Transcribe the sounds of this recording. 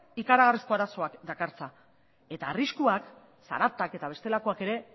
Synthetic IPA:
ikaɾaɣ̞arisko̞aɾaso̞akd̪akaɾt͡sa | e̞t̪aːriskuak | sa̰ɾat̪ake̞t̪aβ̞e̞st̪e̞lako̞ake̞ɾe̞

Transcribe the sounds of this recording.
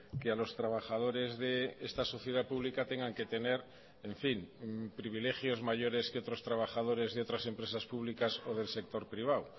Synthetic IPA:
kealo̞st̪ɾaβ̞axað̞o̞ɾe̞zðeest̪aso̞θjeð̞apuβlikat̪e̞ŋɡaŋke̞t̪e̞ne̞ɾ | eɱfimpɾiβ̞ile̞xjo̞zmaʝo̞ɾe̞skeot̪ɾo̞st̪ɾaβaxað̞o̞ɾe̞zðeo̞t̪ɾase̞mpɾe̞saspuβ̞likaso̞ð̞e̞lse̞k̚t̪o̞ɾpɾiβ̞aw

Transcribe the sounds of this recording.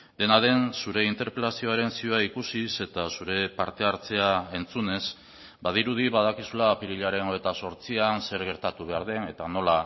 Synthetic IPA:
d̪e̞naðe̞nsuɾe̞int̪e̞ɾpɾelasio̞aɾe̞nsioaikusise̞t̪asuɾe̞paɾt̪e̞aɾt͡se̞ae̞nt͡sune̞s | bað̞iɾuðiβað̞akisulapiɾiʎaɾe̞noe̞t̪aso̞ɾt͡sianse̞ɾɣ̞e̞ɾt̪at̪uβe̞aɾð̞e̞ne̞t̪ano̞la

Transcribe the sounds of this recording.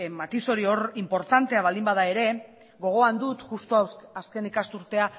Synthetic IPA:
mat̪iso̞ɾio̞ɾimpo̞ɾt̪ant̪e̞aβald̪imbað̞ae̞ɾe̞ | ɣo̞ɣ̞o̞and̪ut̪ʝust̪oaske̞nikast̪uɾt̪e̞a

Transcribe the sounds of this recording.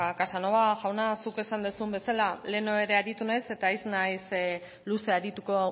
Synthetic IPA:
kasanoaʝawnasuke̞sand̪usumbe̞salale̞no̞e̞ɾe̞aɾit̪unajse̞t̪aiznajs | luse̞aɾit̪uko̞

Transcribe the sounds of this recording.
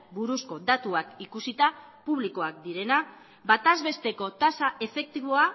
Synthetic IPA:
buɾusko̞d̪at̪uakikusit̪a | puβliko̞ak̚d̪iɾe̞na | bat̪azβe̞st̪e̞ko̞t̪asae̞fe̞k̚t̪iβo̞a

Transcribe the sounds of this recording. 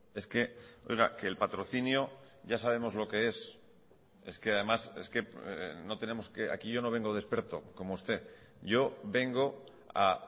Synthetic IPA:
e̞ske̞o̞̰jɣ̞ake̞ːlpat̪ɾo̞θinjo̞ | ʝasaβ̞e̞mo̞zlo̞ke̞e̞s | e̞ske̞aðe̞mase̞ske̞no̞t̪e̞ne̞mo̞skea̰kiʝo̞no̞β̞e̞ŋɡo̞ð̞e̞spe̞ɾt̪o̞̰ko̞moust̪e̞ | ʝo̞βe̞ŋɡo̞ | a̰

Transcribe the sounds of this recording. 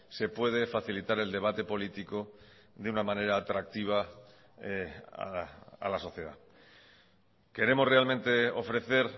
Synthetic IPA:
se̞pwe̞ð̞e̞faθilit̪aɾe̞ld̪e̞β̞at̪e̞po̞lit̪iko̞ | ðeunamãne̞ɾaːt̪ɾak̚t̪iβ̞a | a̰a̰laso̞θje̞ð̞a̰ | ke̞ɾe̞mo̞sre̞almẽnt̪e̞o̞fɾe̞θe̞ɾ

